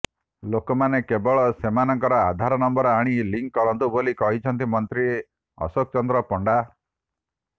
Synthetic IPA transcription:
lokɔmanekebɔɭɔsemanɔŋkɔɾɔad̪ʱaɾɔnɔmbɔɾɔaɽ̃iliŋkːɔɾɔnt̪ubolikɔɦit͡ʃʰɔnt̪̬imɔnt̪ɾie | ɔ̰sok̚t͡ʃɔnd̪ɾɔpɔɳɖa

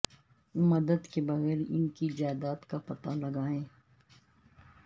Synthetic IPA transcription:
mɐd̪əd̪kebɐɣɛːɾɪ̰nkid͡ʒaːd̪aːt̪kapɐt̪alɐɡaːẽː

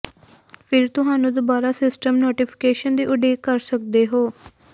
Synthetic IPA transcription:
pʰɪɾt̪ʊɦaːnũːd̪obaːɾaːsɪsʈəmnoːʈiːpʰɪ̥keːʃənd̪iːʔʊɖeːkəɾsəkd̪eːɦoː

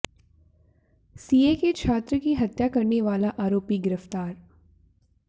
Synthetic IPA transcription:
siːeket͡ʃʰaːt̪ɾəkiɦɐt̪jakɐɾneʋaːlaʔaːɾoːpiɡɪɾəft̪aːɾ

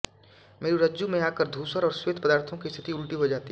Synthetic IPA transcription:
meːɾiɾɐd͡ʒjumẽaːkəɾd̪ʱuːsəɾɔːɾsweːt̪̚pəd̪aːɾt̪ʰõkist̪ʰɪt̪iʊlʈiɦod͡ʒaːt̪i

